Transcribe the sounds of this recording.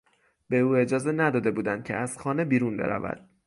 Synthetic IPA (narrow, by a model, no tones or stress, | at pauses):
b̥e̞uːe̞d͡ʒɒːze̞næd̪ɒːd̪e̞buːd̪ænd̪̚cʰe̞̰æz̥xɒːne̞biːɾunbe̞̰ɾæ̰væ̰d̪̥